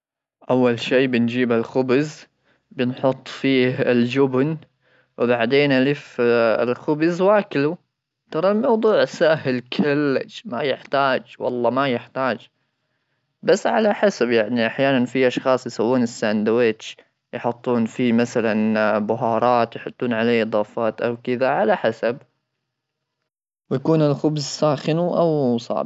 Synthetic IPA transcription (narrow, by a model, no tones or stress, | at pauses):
ʔawːalʃiːbɪnd͡ʒiːbalxʊbz | bɪnħʊt̪ˤːfiːhɪld͡ʒʊbn | wɪbaʕd̪eːnʔalɪfɪ̰lxʊbɪzwaːkɪlu | t̪ɑɾˤɑlmɑwd̪ˤuːʕsahɪlkʰalːa̰d͡ʒma̰jɪħt̪aːd͡ʒwɑ̰lˤːɑmajɪħt̪aːd͡ʒ | basːʕalaħasabjaʕniʔaħjaːnanfiʔɑʃxɑːsˤjɪsawːuːnɪsːand̪wɪt͡ʃ | jħʊt̪ˤːuːnfimaθalanbʊɦɑːɾˤɑːt̪jħʊt̪ˤːuːnʕaleːʔɨd̪ˤɑːfɑːt̪ʔawkɪðaʕalaħasab | wjakuːnɪlxʊbzsaːxɪnuʔawsˤɑ̰ʕb